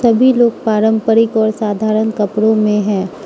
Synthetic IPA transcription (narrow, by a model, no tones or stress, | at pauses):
ɐbʱiloːɡ̚paːɾə̃mpəɾɪkɔːɾsaːd̪ʱaːɾənkɐpɽõmẽɦɛ̃ː